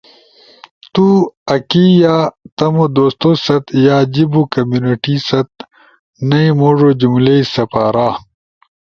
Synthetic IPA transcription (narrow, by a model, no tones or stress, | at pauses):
t̪uɐkiːjaːt̪ɐmod̪oːst̪oːsɐt̪jaːd͡ʑibukɐmjuːniʈiːsɐt̪̚ | nɐimoːʐod͡ʑumleisɐpaːɾaː